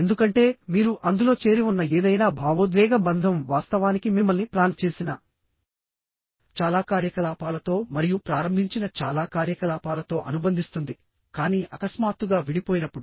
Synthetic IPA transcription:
end̪ukɐɳʈe̞ːmiːɾuʔɐnd̪uloːt͡ʃe̞ːɾiʋunːɐeːd̪ɐjnaːbʱaːʋɐd̪ʋɛːɡɐbɐnd̪ʱɐmʋaːst̪ɐʋaːnikimimːɐlniplaːnt͡ʃe̞ːsinaː | t͡ʃaːlaːkaːɾjɐkɐlaːpaːlɐt̪o̞ːmɐɾijupɾaːɾɐmbʱiɲt͡ʃinɐt͡ʃaːlaːkaːɾjɐkɐlaːpaːlɐt̪o̞ːʔɐnubɐnd̪ʱist̪und̪i | kaːniːʔɐkɐsmaːt̪ːuɡaːʋiɽipoːjinɐpːuɽu

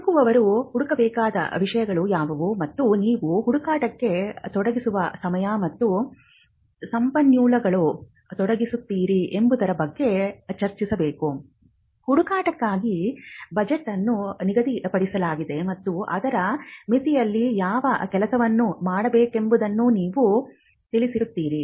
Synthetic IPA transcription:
ukuʋɐʋɐɾuhuɽukɐbɛːkaːd̪ɐ̰ʋiʂɐjɐɡɐɭujaːʋɐʋumɐt̪ːuniːʋuɦuɽukaːʈɐkːe̞t̪ɔɽɐɡisuʋɐsɐmɐjɐmɐt̪ːu | sɐmpɐnjuːlɐɡɐɭu | t̪ɔɽɐɡisut̪ːiːɾiʔembud̪ɐɾɐbɐɡːe̞t͡ʃɐɾt͡ʃisɐbe̞ːku | huɽukaːʈɐkːaːɡibɐd͡ʒeʈːɐnːuniɡɐd̪ipɐɽisɐlaːɡid̪e̞mɐt̪ːuʔɐ̰d̪ɐɾɐmit̪ijɐlːijaːʋɐkɛlɐsɐʋɐnːumaːɽɐbe̞ːke̞mbud̪ɐnːuniːʋu | t̪iɭisiɾut̪ːiːɾi

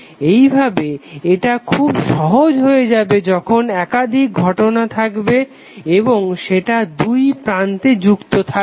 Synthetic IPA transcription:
ejbʱabeeʈakʰubʃɔɦod͡ʑɦoed͡ʑabed͡ʑɔkʰonɛkad̪ʱik̚ɡʱɔʈonat̪ʰakbe | eboŋʃeʈad̪ujpɾant̪ed͡ʑukt̪ot̪ʰa

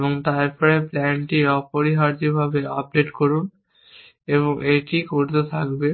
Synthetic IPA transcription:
boŋt̪aɾpɔɾeplɛnʈiɔpoɾiɦaɾd͡ʑobʱabeap̚ɖeʈkoɾun | eβoŋʔeʈikoɾt̪et̪ʰakbe

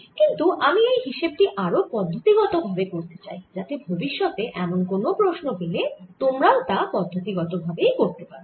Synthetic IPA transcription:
kint̪uʔamiejɦiʃeb̚ʈiʔaɾopɔd̪ʱːot̪iɡɔt̪obʱabekoɾt̪e̥t͡ɕajd͡ʑat̪ebʱobiʃːɔt̪eʔɛmonkonopɾoʃnobelet̪omɾaot̪apɔd̪ʱːot̪iɡɔt̪obʱabejkoɾt̪epaɾo

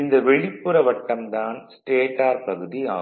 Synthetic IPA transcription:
ɪnd̪ɐʋɛɭɪpːɯɾɐʋɐʈːɐmd̪aːnsʈeːʈaːɾpɐɣɯðia̰ː

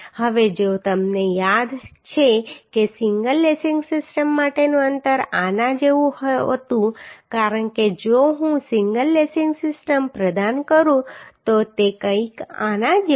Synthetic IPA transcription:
həʋed͡ʒot̪əmnejad̪t͡ʃʰekesɪŋɡəlːesɪŋɡsɪsʈəmːaʈenũənt̪əɾanãd͡ʒeʋũhə̰t̪ũkaɾəɳked͡ʒoɦũsɪŋɡəlːesɪŋɡsɪsʈəmpɾəd̪ankəɾũt̪ot̪ekə̃ikanãd͡ʒ

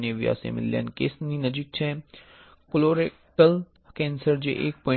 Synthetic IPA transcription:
neːʋija̰ːsḛmɪ̰lːja̰ːnkeːsninəd͡ʒik̚t͡ʃʰɛ | koloːɾe | kəl | kɛ̃ːnsəɾd͡ʒḛʔeːk̚poɪ

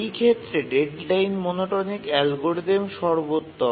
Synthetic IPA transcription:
jkʰet̪ːɾeɖeɖlajnmonoʈonikɛlɡoɾd̪emʃɔɾbot̪ːo

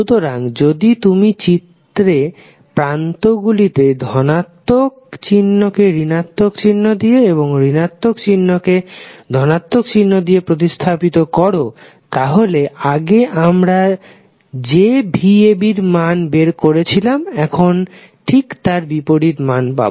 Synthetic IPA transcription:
ut̪oɾaŋd͡ʑod̪it̪umit͡ɕit̪ːɾe | pɾant̪oɡulit̪ed̪ʱɔnat̪ːok̚t͡ɕinːokeɾinat̪ːokt͡ɕinːod̪ieeβoŋɾinat̪ːokt͡ɕinːoked̪ʱɔnat̪ːok̚t͡ɕinːod̪ijepɾot̪̬ist̪ʰapit̪okɔɾo | t̪aɦoleʔaɡeʔamɾa | d͡ʑebʱiebiɾmanbeɾkoɾet͡ɕʰilamɛkʰon | ʈʰikt̪aɾbipoɾiɾmanpa̰bo

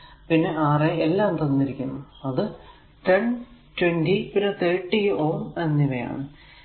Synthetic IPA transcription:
pinːe̞ʔaːreelːaːmt̪ɐnːiɾikʲːunːuɐðɨ | t̪eɳtweɳɖipinːet̪eːʈːijoːnenːiʋeja̰ːɳɨ

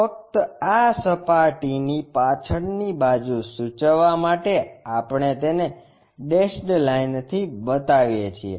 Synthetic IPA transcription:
fək̚t̪əasəpaʈinipat͡ʃʰəɳnibad͡ʒusut͡ʃəʋːamaʈeapɳ̃et̪ene | ɖesʈlaint̪ʰibət̪aʋjet͡ʃʰiḛ

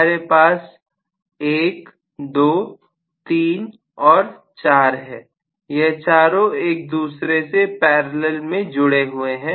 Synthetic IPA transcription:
ɾepaːs | eːk | d̪oː | t̪iːn | ɔːɾ | t͡ʃaːɾɦɛ̃ː | jɛɦt͡ʃaːɾõeːk̚d̪uːsɾesepɛːɾləlmẽd͡ʒʊɽeɦʊeɦɛ̃ː

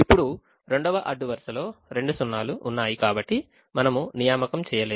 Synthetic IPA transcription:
ipːuɽu | ɾe̞ɳɖɔʋɐʔɐɖːuʋɐɾʂɐlo̞ːɾe̞ɳɖusunːaːluʔːnːaːjikaːbɐʈːi | mɐnɐmunijaːmɐkɐmt͡ʃɛːjɐleː

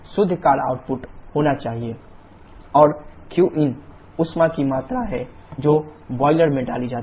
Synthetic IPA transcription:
sʊd̪ʱːkaːɾa̰ːʊʈ̚pʊʈhoːnat͡ʃaːɦie | ɔːɾkjuːʔɪn | ʊsmãkimaːt̪ɾaɦɛ | d͡ʒoːbɔːɪləɾmẽɖaːlid͡ʒaːt̪

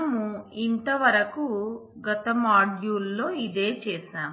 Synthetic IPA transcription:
muint̪ɐʋɐɾɐku | ɡɐt̪ɐmaːɖjuːlːo̞ːid̪e̞ːt͡ʃɛːʃaːm

